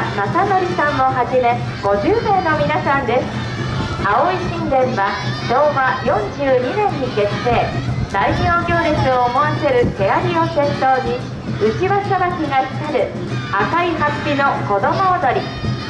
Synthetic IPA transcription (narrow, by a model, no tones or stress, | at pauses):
masano̞ɾʲisãɰːo̞ɦaʑime̞ | ɡ̥o̞ʑɨːme̞ːno̞mʲinasãnd̪e̞sɨ̥ | ao̞iɕĩnd̪ẽ̞ɰ̃βaɕo̞ːβajõ̞ɲd͡ʑɨːɲ̟inẽ̞ɲ̟ːiɡe̞t͡sse̞ːsaiɲʲo̞ːɡʲo̞ːɾesɨoːmo̞ase̞ɾɯ̟k̪e̞aɾʲio̞sẽ̞nt̪o̞ːɲi | ɯ̟t͡ɕiβasaβakʲiɡaçi̥t̪aɾɯ̟ | akaiɦapʲːino̞ko̞d̪omo̞ːd̪o̞ɾʲi